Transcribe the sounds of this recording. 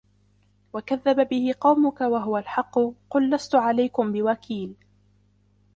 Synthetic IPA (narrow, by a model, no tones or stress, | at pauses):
wakaðːababɪhɪqɑwmʊkawaɦʊwalħɑqːʊqʊlːast̪ʊʕalajkʊmbɪwakʰiːl